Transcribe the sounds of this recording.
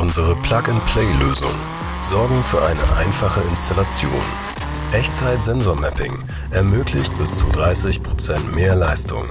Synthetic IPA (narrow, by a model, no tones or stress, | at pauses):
ʔʊnzəʁəpʰl̥akɪntpʰl̥eɪløːzʊ̰ŋ | z̥ɔɐɡŋ̩fyːɐʔaɪnə̰ʔa̰ɪnfaχəɪnstalat͡sjo̰ːn | ʔɛçt͡saɪtz̥ɛnzoːɐmɛpɪŋ | ʔɛɐmøːklɪçt̚b̥ɪst͡sudʁaɪsɪçpʁ̥ot͡sɛntmeːɐlaɪstʊ̰ŋ